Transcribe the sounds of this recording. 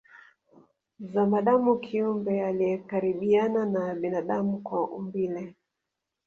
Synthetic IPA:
zamaɗamukʰiumbɛalijɛkaɾiɓiananaɓinaɗamukwaʔumbilɛ

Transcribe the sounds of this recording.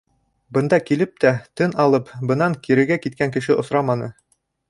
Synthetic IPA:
bɤ̆nd̪ɑkilɘp̚t̪æt̪ɤnɑlˠɤpbɤ̆nɑŋkiɾɘ̆ɾɡækit̪̚kæŋkɘ̆ʃɘʔŏsɾɑmɑnɤ

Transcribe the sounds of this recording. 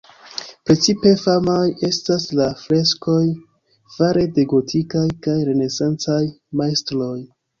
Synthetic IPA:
pɾe̞t͡sipe̞famaje̞staslafɾe̞sko̞j | vaɾe̞de̞ɡo̞tʰikajkajɾe̞ne̞sant͡saj | majstlo̞j

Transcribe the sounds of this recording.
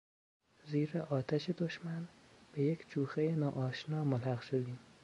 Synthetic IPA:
ziːɾɛʔɒːt̪ʰaʃid̪oʃman | b̥ejekʰʲt͡ʃʰuːxejinɒːʔɒːʃnɒːmʊlhæqʃod̪im

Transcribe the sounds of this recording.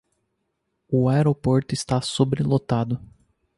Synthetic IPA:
ʊaeɾopoɾt̪ʊɪst̪asobɾelot̪ad̪ʊ

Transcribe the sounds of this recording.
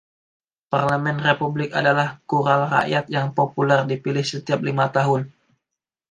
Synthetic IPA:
parləmɛnrepublɪka̰dalahkuɾalra̰ʔjat̪̚jaŋpopulɛrdipilɪhsət̪iap̚limat̪aɦʊn

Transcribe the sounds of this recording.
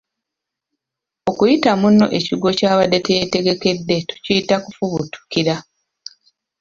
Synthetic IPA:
o̞kujitamunːo̞̰ʔe̞ciɡo̞caːβadːe̞tejete̞ɡe̞ke̞dːe̞tu̥ciitakufuβutʰu̥kiɾa

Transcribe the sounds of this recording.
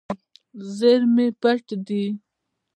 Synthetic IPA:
zəɾmepaʈd̪i

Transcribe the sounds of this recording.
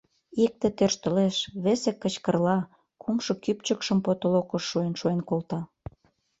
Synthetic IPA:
ik̚t̪ĕt̪ørʃt̪ə̆leʃβesekːət͡ɕkərlɑ | kʰumʃokyp̚t͡ɕəkʃəmpot̪olokəʃːuenʃuenkolt̪ɑ

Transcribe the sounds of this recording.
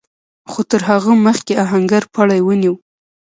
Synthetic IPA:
xot̪əɾɦaɣəməxkeaɦaŋɡaɾpɑɽajwəniw

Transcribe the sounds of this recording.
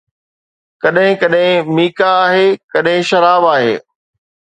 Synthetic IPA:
kɐɗɦɪ̃kɐɗɦɪ̃miːkaːɦeːkɐɗɦɪ̃ʃɐɾaːbaːɦḛː

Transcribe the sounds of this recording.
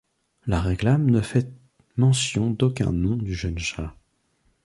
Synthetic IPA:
laʁeklamnəfɛ | mɑ̃sjɔ̃d̪okʲɛ̰̃nɔ̃d̪yʒənʃa

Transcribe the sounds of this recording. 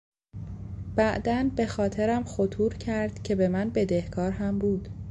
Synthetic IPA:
b̥æʔd̪ænbe̞xɒːt̪ʰe̞ɾæmxot̪ʰuːɾcʰæɾd̪̥cʰe̞be̞mænbe̞d̪e̞hkʰɒːɾɦæmbuːd̪̥

